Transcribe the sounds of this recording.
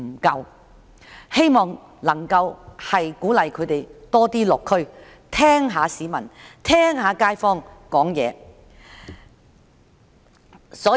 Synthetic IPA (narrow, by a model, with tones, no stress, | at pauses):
m̩˨˩kɐ˧w | he˥jmɔː˨˩ŋ | lɐ˨˩ŋkɐ˧whɐ˨jkuː˨˥lɐ˨˧jkʰɵ˨˧ɥt̪e˨jt̪ɔː˥t̪iː˥lʊ˨kʰːɵ˥ɥ | t̪ʰɛː˥ŋɦaː˨˧siː˨˧mɐ˨˩nt̪ʰɛː˥ŋɦaː˨˧˥kaː˥jfɔː˥ŋkɔː˨˥ŋjɛ̰ː˨˧ | sɔː˨˧˥